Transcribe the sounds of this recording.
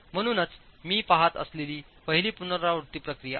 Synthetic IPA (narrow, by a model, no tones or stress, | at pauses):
m̤əñuːnət͡smiːpaɦat̪ə̰sleliːpəɦiliːpunəɾauɾt̪iːpɾəkɾija̰